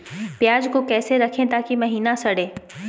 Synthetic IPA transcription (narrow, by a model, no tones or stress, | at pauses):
pjaːd͡ʒkokɛːseɾɐkʰẽt̪aːkimɐɦiːnasɐɽeː